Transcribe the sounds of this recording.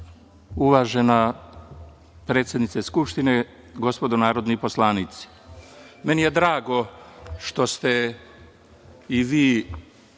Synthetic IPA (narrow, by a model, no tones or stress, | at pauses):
uʋaːʒena | pɾeːt̪sjed̪nit̪seskupʃt̪ine̞ | ɡo̞spo̞d̪onaːɾo̞d̪nipo̞slˠaːnit̪si̥ | menije̞d̪ɾaːɡo̞ʃt̪o̞st̪e | iʋiː